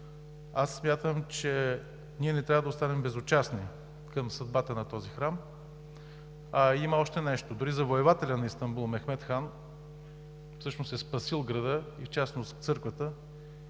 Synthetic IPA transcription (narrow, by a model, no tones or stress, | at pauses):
asːmʲjat̪əmt͡ʃɛ | niɛnɛt̪ɾʲavəd̪ɐoʊst̪anɛmbɛzʊt͡ʃasni | kəmsɐd̪̚bat̪ənɐt̪ɔzixɾam | ɐiməɔʃt̪ɛnɛʃt̪od̪ʊɾizɐvoɛvat̪ɛlʲɐnɐist̪ɐmbulˠmɛxmɛt̪xan | fsɤʃnosɛspɐsilˠɡɾɐd̪əift͡ʃasnost̪ft̪sɤɾkvət̪ə